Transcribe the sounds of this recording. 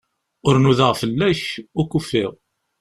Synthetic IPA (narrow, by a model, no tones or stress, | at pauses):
ʊɾnuðəʁfəlːæçʊkufːɪʁ